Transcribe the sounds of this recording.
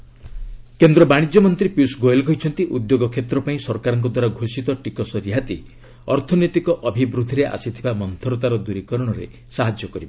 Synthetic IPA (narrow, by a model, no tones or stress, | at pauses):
kend̪ɾɔbaɽ̃id͡ʒjɔmɔnt̪ɾipjusɡoelkɔɦjt͡ʃʰɔnt̪iʔud̪joɡɔkʰet̪ɾɔpaĩsɔɾkaɾɔŋkɔd̪waɾaɡʱosit̪ɔʈikɔsɔɾiɦat̪i | ɔɾt̪ʰɔnet̪ikɔʔɔbʱibɾud̪ʱiɾeʔa̰sit̪ʰibamɔnt̪ʰɔɾɔt̪aɾɔd̪uɾikɔɾɔɽ̃ɔɾḛ | saɦad͡ʒjɔkɔɾibɔ